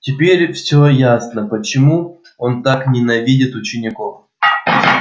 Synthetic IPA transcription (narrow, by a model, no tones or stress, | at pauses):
tʲɪpʲeɾʲfsʲojasnəpət͡ɕɪmu | o̞nt̪aknʲɪnɐvʲidʲɪt̪ʊt͡ɕɪnʲɪko̞f